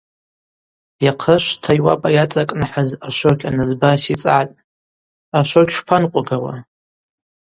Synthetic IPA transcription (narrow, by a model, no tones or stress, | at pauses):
jaqʰəʃʷtʰajwa̰pʼajat͡sʼakʼnaħazaʃʷokʲʰʼanɨzbasit͡sʼatʼ | aʃʷokʲʰʃpʰanqʷʼʊɡawa̰